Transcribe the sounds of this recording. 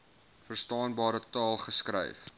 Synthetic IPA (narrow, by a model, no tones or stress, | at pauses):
fərstɑːnbɑːɾətɑːlˠχəskɾɛ̰jf